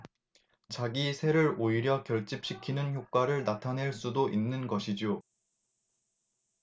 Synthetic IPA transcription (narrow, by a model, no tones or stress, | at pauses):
t͡ɕaɡisʰe̞ɾɯɾoiɾjʌkjʌɭt͡ɕ͈ip̚ɕ͈ikʰinɯnçjok̚k͈waɾɯɭnatʰane̞ɭs͈udoʔinːɯnɡʌɕʰid͡ʑo